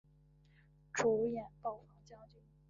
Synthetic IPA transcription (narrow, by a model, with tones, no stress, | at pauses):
ʈ͡ʂu˧˥jɛ˨˩npɑ˥˩ʊfɑ˥˩ŋt͡ɕjɑ˥ŋt͡ɕy˥˩˦